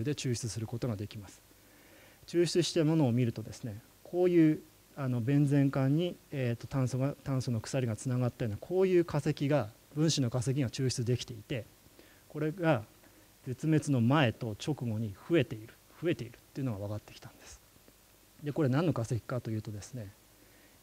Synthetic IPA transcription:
d̪e̞t͡ɕɨːɕi̥t͡sɨsɨɾɯ̟ko̞t̪o̞ɡad̪ekʲimasɨ̥ | t͡ɕɨːɕi̥t͡sɨɕi̥t̪amo̞no̞ːmʲiɾɯ̟t̪o̞d̪e̞sɨne̞ | kʰo̞ːjɯ̟ː | ano̞bẽ̞nd͡zẽ̞ŋkãɲ̟ːieːt̪ːo̞t̪ãɰ̃soɡat̪ãɰ̃so̞no̞kɯ̟̥saɾʲiɡat͡sɨnaɡat̪ːajonakʰo̞ːjɯ̟ːkase̞kʲiɡa | bɯ̟̃ɰ̃ɕino̞kase̞k̬ʲiɡat͡ɕɨːɕi̥t͡sɨd̪e̞kʲi̥t̪e̞it̪e̞ | ko̞ɾe̞ɡa | d͡ze̞t͡sɨme̞t͡sɨno̞mae̞t̪o̞t͡ɕo̞kɯ̟ɡo̞ɲ̟iɸɯ̟e̞t̪e̞iɾɯ̟̥ | ɸɯ̟e̞t̪e̞iɾɯ̟̥t̪ːe̞iɯ̟noɡaβ̞akat̪ːe̞kʲi̥t̪ḁ̃nd̪e̞sɨ̥ | d̪e̞ko̞ɾe̞nãnːo̞kase̞kʲi̥kat̪o̞jɯ̟ːt̪o̞d̪e̞sɨne̞

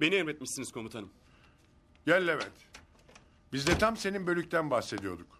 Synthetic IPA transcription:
be̞niɛɾmɛt̪̚miʃsiniz̥kʰo̞mut̪ʰanɯm | ɟælʲːevɛt̪ | bizd̪ɛt̪ʰamse̞ninbø̞lʲycʲt̪ʰænbahse̞d̪ijo̞d̪uk

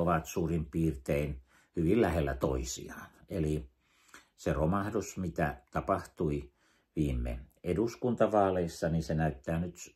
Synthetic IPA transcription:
oʋɑt̪suːrimpiːrt̪ein | hyʋillæhelːæ̰t̪o̰isḭɑːneli | seromɑhdusmit̪æ̰t̪ɑpɑht̪ui | ʋiːmːˑḛeduskunt̪ɑʋɑːleisːɑninsenæˑyt̪ːæːnyt̪

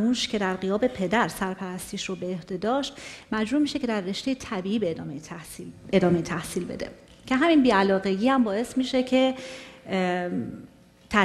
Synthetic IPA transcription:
uːʃcʰe̞d̪æɾɢijɒːbe̞pʰe̞d̪æɾsæɾpʰæɾæst̪iːʃɾobeːhd̪e̞d̪ɒːʃt̪mæd͡ʒɾuːmiːʃe̞cʰe̞d̪ærːe̞ʃt̪e̞jet̪ʰæbiːʔiːbed̪ɒːmej | e̞d̪ɒːme̞jit̪ʰæhsiːlbḛd̪e̞̰ | cʰe̞ɦæminbiːælɒːɣe̞ɡiːhæmbɒːe̞smiːʃe̞cʰe̞ | t̪ʰæ

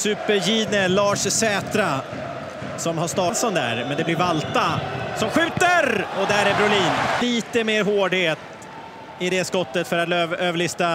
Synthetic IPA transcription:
sʉ̟ːpəɾjiːd̪nəlɑːʂsɛːt̪ɾa | sɔmhaʂt̪ɑːt̪sɔnd̪æ̰ːɾmɛnd̪ɛblɪɾvalt̪asɔmɧʉ̟ːt̪əɾɔd̪æɾæbɾʊliːnliːt̪əmeːɾɦoːɖheːt̪ | ɪd̪ɛskɔt̪ːət̪fœɾat̪løːvøːvəɭɪst̪a

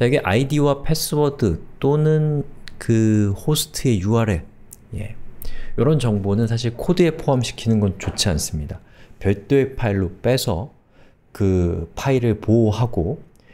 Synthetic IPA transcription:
t͡ɕaɡe̞ʔaidiwapʰe̞s͈ɯbʌdɯt͈onɯnkɯhosʰɯ̥tʰɯe̞juaɾe̞ | je̞̰jʌɾʌnt͡ɕʌŋbonɯnsʰaɕ̬ʰiɭkʰodɯe̞pʰoɦamɕʰi̥kʰinɯnɡʌnt͡ɕot͡ɕʰians͈ɯmɲida | pjʌɭt͈oepʰaiɭːop͈e̞sʰʌ | kɯpʰaiɾɯɭpoɦaɡo

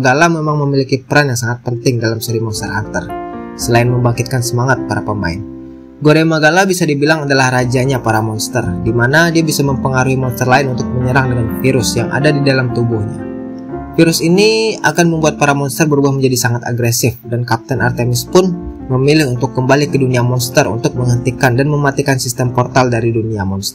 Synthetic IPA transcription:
ɡalamemaŋməmilikipəɾanjaŋsaŋat̪̚pənt̪ɪŋdalamsuɾimɔnst̪ərant̪ərsəlaɪnməmbaŋkɪt̪̚kansəmaŋat̪̚paɾapəma̰ɪ̰n | ɡoɾemaɡalabisadibilaŋadalahrad͡ʒaɲapaɾamɔnst̪ərdimanadiabisaməmpəŋaɾuɦimɔnst̪ərlaɪnunt̪ʊk̚məɲəɾaŋdəŋanfiɾʊsjaŋʔa̰dadidalamt̪ubʊhɲa̰ | fiɾʊsinia̰kanməmbuat̪̚paɾamɔnst̪ərbəɾubahməɲd͡ʒadisaŋat̪a̰ɡɾesɪfdankap̚t̪ənart̪emɪspʊn | məmilɪhunt̪ʊkːəmbalikəduniamɔnst̪ərṵnt̪ʊk̚məŋɦənt̪ikandanməmat̪ikansist̪əmpɔrt̪aldaɾiduniamɔnst̪ər

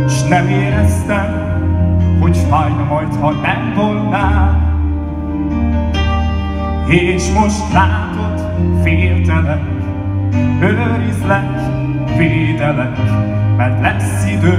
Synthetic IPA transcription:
ʃnɛmeːɾɛst̪ɛm | hoɟfajmɒjt̪hɒnɛnb̪olnaːl | eːʃmoʃt̪laːt̪ot̪ | feːld̪ɛlɛnk | høløɾizlɛk | feːld̪ɛlɛkmɛrt̪lɛsːid̪øː

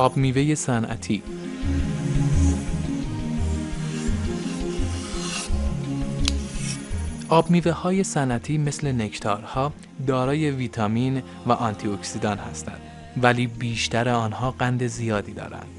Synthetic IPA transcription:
ʔɒːbmiːveje̞sænʔæ̰t̪ʰiː | ʔɒːbmiːve̞hɒːje̞sænʔæt̪ʰiːme̞sle̞ne̞cʰt̪ʰɒ̰ːɾhɒː | d̪ɒːɾɒːje̞viːt̪ʰɒmiːn | væʔɒnt̪ʰioksid̪ɒːnhæst̪æ̰nd̪̥ | væliːbiːʃt̪ʰæɾeɒːnhɒːɢænd̪e̞zijɒːd̪iːd̪ɒ̰ːɾæ̰nd̪̥

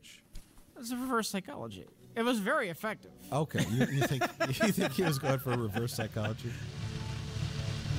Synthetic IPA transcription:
ɨtsɨɹɨvɜ˞saɪkʰɑ̰lˠə̰d͡ʒḭɨt̚wʌzvɛɹiɨfɛk̚tɨv̥oʊkʰeɪɪɨɨθɪ̃ŋɨθɪ̃ŋkhit̚wʌzɡoʊɪ̃ŋfə˞əɹɨvɜ˞saɪkʰɑlˠəd͡ʒi

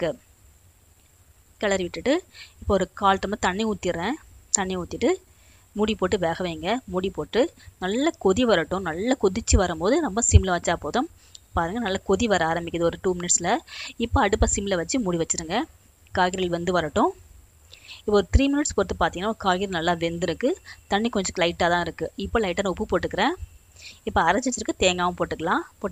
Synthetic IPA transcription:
kːɯ | kɐɭɐɾiʋɪʈːɯʈːɯɪpːoɔɾɯkaːlt̪ɯmɐt̪ɐɳːɪuːt̪ːɪɾẽːt̪ɐɳːɪuːt̪ːɪʈːɯ | muːɽipoːʈːɯʋeːɣɐʋeːŋɡɐmuːɽipoːʈːɯnɐlːɐkɔðiʋɐɾɐʈːʊ̃nɐlːɐkɔðɪt͡ʃːɯʋɐɾɯmpoːðɯnɔmbɐsɪmɪlɐʋɐt͡ʃːaːpoːðʊ̃ | paːɾɯŋɡɐnɐlːɐkɔðiʋɐɾɐaːɾɐmbɪkʲːɐðɯɔɾɯʈuːmɪnɪʈsɪlɐɪpːoɐɽɯpːasɪmɪlɐʋɐt͡ʃːɯmuːɽiʋɐt͡ʃːɯɾɯŋɡɐ | kaːɣɪɾɐlʋɐnd̪ɯʋɐɾɐʈːʊ̃ | ɪpːoɔɾɯt̪ɪɾiːmɪnɪʈspoːt̪ːɯpaːɾt̪iŋɡɐnːakaːɣɪɾɐlnɐlːaːʋɛnd̪ɪɾɯkːɯt̪ɐɳːikɔɲd͡ʒɐlɐɪʈːaːt̪ãːɪɾɯkːɯɪpːoːlɐɪʈːɐːnʊpːɯpoːʈːɯkːɐɾẽː | ɪpːoɐɾɐt͡ʃːɪɐt͡ʃːɪɾɯkːɯt̪eːŋɡaːʋɐmpoːʈːɯkːɐlãːpoː

